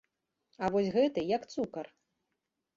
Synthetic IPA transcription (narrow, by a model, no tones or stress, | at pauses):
ɐvɔsʲɣɛt̪ɨjɐkt̪sukɐr